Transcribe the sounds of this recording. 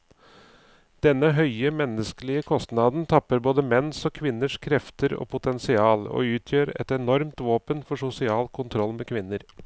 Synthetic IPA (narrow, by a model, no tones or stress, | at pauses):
d̪̥ɛnːəɦœʏəmɛnːəskəlɪəkʰɔst̪nɑd̪n̩t̪ʰɑpːəɾboːd̪əmɛnsɔːkʰʋɪnːəʂkʰɾɛft̪əɾo̰ːpʰʊt̪ʰɛnsɪɑːlo̰ːʉːt̪ʰjøːɾɛ̰t̪ɛnɔɾmt̪ʋoːpənfɔʂʊsɪɑːlkʰʊnt̪ʰɾɔlːmeːkʰʋɪnːəɾ